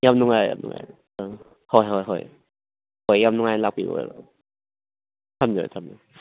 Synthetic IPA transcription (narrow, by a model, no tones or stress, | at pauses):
jamnuŋajja̰mnṵŋa̰j | hojɦɔjɦɔ̰j | hojːamnuŋajlak̚piɡo̰j̰ɾɔ | tʰamd͡ʒo̰tʰamd͡ʒo